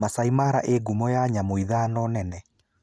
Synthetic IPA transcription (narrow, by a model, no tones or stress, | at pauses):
masaimaɾaʔeɡumɔjaɲamoiðaːnɔnɛnɛ